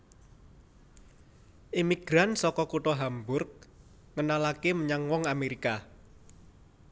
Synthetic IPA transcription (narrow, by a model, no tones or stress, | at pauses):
ʔimiɡ̥ɾansɔkɔkuʈɔɦambʊrk̚ | ŋənalakeməɲaŋwɔŋameɾika